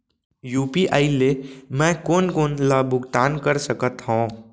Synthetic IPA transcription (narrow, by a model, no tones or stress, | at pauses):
juːpiʔaːilemɛ̃koːnkoːnlaːbʊɡt̪aːnkəɾsəkət̪ɦõː